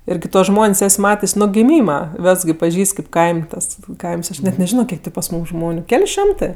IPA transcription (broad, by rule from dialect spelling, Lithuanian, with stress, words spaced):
ˈɪr kɐɪ tuɔs ˈʒmoːnʲsʲ ˈɛsʲ ˈmɑːtʲeːsʲ nʊ ɡʲɪˈmʲiːmɐ ˈʋʲɛs ɡʲɪ pɐˈʒʲiːsʲtʲ kɐɪp kɐɪmʲ ˈtɐs ˈkɐɪms ˈɐʃ nʲɛt nʲɛˈʒʲɪnoː ˈkʲiɛk tʲeː pɐs ˈmuːmˈʒmoːnʲʊ ˈkʲɛlʲ ˈʃʲoːmtɜ